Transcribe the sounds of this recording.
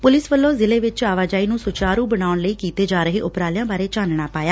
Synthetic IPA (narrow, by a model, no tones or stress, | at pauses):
pʊlɪsʋəlːõːzɪleːʋɪt͡ʃaːʋaːd͡ʒaːiːnũːsoːt͡ʃaːɾũːbənaːʊɳləiːkiːt̪eːd͡ʒaːɾəɦeːʔʊpɾaːlɪjãːbaːɾeːt͡ʃãːnɳaːpaːjaː